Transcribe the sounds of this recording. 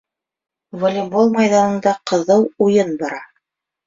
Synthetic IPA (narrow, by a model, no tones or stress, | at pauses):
volʲimbolˠmɑjðɑnɤ̆nd̪ɑqɤ̆ðɤwujɤnbɑɾɑ